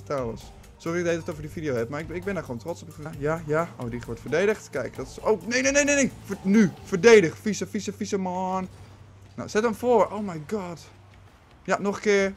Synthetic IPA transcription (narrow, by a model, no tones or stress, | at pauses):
tʰaləs | sorɪk̚dedɔtovədifidijoːhɛp̚maɪk̚bɪndaxoːntrott͡sopkajajao̰ːdixʋɔɹtfərdeːdəxtkɛjkdɔtsoːknejnenejnejnefnyfərdeːdəxfisəfisəfisəmɔːn | na̰sɛtəmfoːrʔowmajɡɔt | janoxkɪəɹ